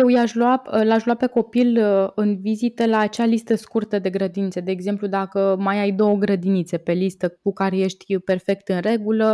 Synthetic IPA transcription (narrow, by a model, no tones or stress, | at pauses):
jewjaʃluaplaʃluwape̞ko̞pilɨnvizit̪əlaːt͡ʃealist̪əskurt̪əd̪e̞ɡɾəd̪init̪sed̪eːɡze̞mplud̪akəmajajd̪o̞wəɡɾəd̪init̪se̞pe̞list̪əkukaɾe̞je̞ʃt̪ʲpe̞rfe̞kt̪ɨnre̞ɡulə